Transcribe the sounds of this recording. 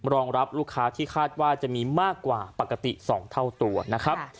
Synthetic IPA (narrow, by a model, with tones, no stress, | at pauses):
ɾɔː˧ŋɾa˦˥p̚luː˥˩kʰːaː˦˥t̪ʰiː˥˩kʰaː˥˩t̪̚waː˥˩t͡ɕa˨˩ʔmiː˧maː˥˩kːwaː˨˩pa˨˩kːa˧t̪ḭ˨˩sɔː˩˦ŋt̪ʰa˥˩wt̪u˧ɐna˦˥kʰɾa˦˥p̚